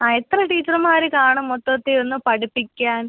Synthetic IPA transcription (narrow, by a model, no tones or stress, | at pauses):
aːet̪rɐʈiːt͡ɕːɐrmaːɾekaːɳumːot̪ːɐt̪ːeo̞nːumpɐʈipːikʲːaːn